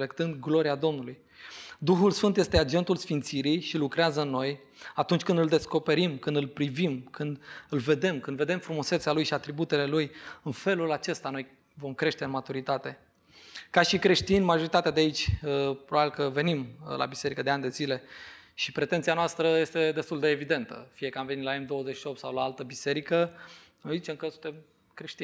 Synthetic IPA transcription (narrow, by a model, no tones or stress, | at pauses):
lekt̪ɨnd̪ɡlo̞ɾiad̪o̞mnuluj | d̪uxulsfɨnt̪je̞st̪ead͡ʒe̞nt̪ulsfint̪siɾijʃilukɾeazənːo̞j | at̪unt͡ʃʲkɨnd̪ɨld̪e̞sko̞pe̞ɾimkɨnd̪ɨlpɾivimkʰɨnd̪ɨlve̞d̪e̞mkɨnd̪ve̞d̪e̞mfɾumuset̪salujʃiat̪ɾibut̪e̞le̞lujɨnfe̞lulat͡ʃe̞st̪ano̞j | vo̞mkɾe̞ʃt̪e̞ɨnmat̪uɾit̪at̪e̞ | kaʃikɾe̞ʃt̪inmaʒo̞ɾit̪at̪ead̪eait͡ʃʲəpɾobabilkəve̞nimla̰bise̞ɾikəd̪eanʲd̪e̞zile̞ʃipɾe̞t̪e̞nt̪sijanoast̪ɾəje̞st̪e̞d̪e̞st̪uld̪e̞ːvid̪e̞nt̪ə̰fije̞kəamve̞nit̪laemd̪o̞wəzet͡ʃʃio̞p̚t̪sawlaalt̪əbise̞ɾikə | nojzit͡ʃe̞mkəsunt̪em | kɾeʃt̪i